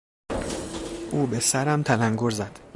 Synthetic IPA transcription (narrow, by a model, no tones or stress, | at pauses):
ʔuːbe̞sæɾæmt̪ʰælæŋɡoɾzæd̪̥